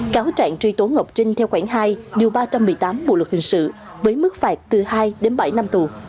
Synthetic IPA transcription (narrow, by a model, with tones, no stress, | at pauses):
kaː˨˦wt͡ɕa̰ː˧˨ŋt͡ɕwi˧t̪u˨˦nŋə˨˩wk͡p̚t͡ɕï˧ŋ̟t̪ʰɛ˧wxwaː˧˩ŋɦaː˧jɗi˨˩əwɓaː˧t͡ɕa˧mːɨ˨˩əjt̪aː˨˦mɓṵ˧˨lwk̚hï˨˩ŋ̟sɨ̰˧˨ | vəː˨˦jmɨ˦˥k̚faː˨˩t̚t̪ɨ˨˩haː˧jɗe˨˦nɓa˧˩jna˧mt̪u˨˩